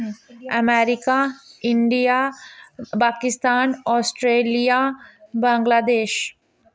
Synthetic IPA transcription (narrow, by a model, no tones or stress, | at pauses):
ɐmeːɾɪkaɪ̃ɳɖija | paːkɪst̪aːnɔːsʈɾeːlijabãːŋɡlaːd̪eːʃ